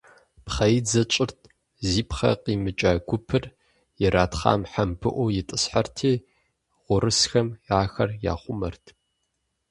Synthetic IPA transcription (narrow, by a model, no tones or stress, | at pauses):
pχɐjd͡zɐt͡ʃʼɪrtʰ | ziːpχɐ̰qiːmɨt͡ʃʼaːɡʷʊpʰɨr | jɪɾaːtχa̰ːmħambʰɨʔʷɔwjɪtʼɨsħartʰeː | ʁʷʊɾɨsxɐmaːxɐrja̰ːχʷʊmɐ̰rtʰ